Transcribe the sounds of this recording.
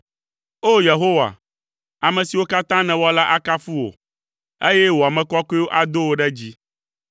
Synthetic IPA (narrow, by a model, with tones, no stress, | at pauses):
o˦je˨ɦo˦wa̰˨ | a˨mɛ̃˨si˨wo˦ka˦t̪ã˦nɛ̃˨wɔ˦la˦ʔa˦ka˦fu˦wo̰˨ | e˦jɛ˦wo˨a˨mɛ̃˦kɔ˦ki˦wo˦ʔa˨d̪o˦wo˦ɖɛ˦d͡ʑi˦